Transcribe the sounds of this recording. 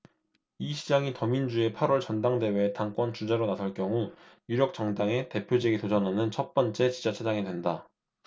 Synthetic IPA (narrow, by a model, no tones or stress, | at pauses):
iɕʰid͡ʑaŋitʌmind͡ʑue̞pʰaɾwʌɭt͡ɕʌndaŋde̞we̞taŋk͈wʌnt͡ɕud͡ʑe̞ɾonasʰʌɭk͈jʌŋujuɾjʌk̚t͡ɕ͈ʌŋdaŋe̞te̞pʰjod͡ʑeɡitod͡ʑʌnɦanɯnt͡ɕʰʌt̚p͈ʌnt͡ɕ͈e̞t͡ɕid͡ʑat͡ɕʰedaŋedwe̞nda